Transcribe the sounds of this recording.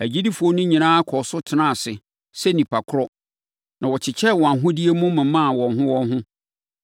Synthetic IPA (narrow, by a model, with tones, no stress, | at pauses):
æ˨d͡ʑi˦di˦fu˨o˦nʊ̃˦ɲĩ˨nãː˦kʰɔ˨sʊ˦tʰɪ˨nã˦˨sɪ˨ | sɛ˦nĩ˨pʰa˨kʰʊ˦ɾɔ˦ | nã˨wɔ˨t͡ɕʰɪ˨t͡ɕʰɛ˦˨wɔ˨a˨ɦʊ̃˦di˦e˦mũ˦mɪ̃˨mã˦˨wɔ̃˨nɦʊ̃˦wɔ̃˦nɦʊ̃˦